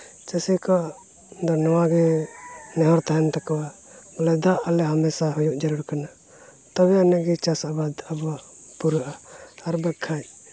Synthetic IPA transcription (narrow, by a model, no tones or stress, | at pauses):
t͡ʃɛsɛkɔʔ | d̪ɔnɔwaɡɛ | nɛɦɔɾt̪aɦɛnt̪akɔwa | malɛd̪aʔalɛɦamɛsaɦɔjuʔd͡ʒəɾuɽkana | t̪ɔbɛanɛɡɛt͡ʃasabad̪abpuɾʔaːɾbakʰːaj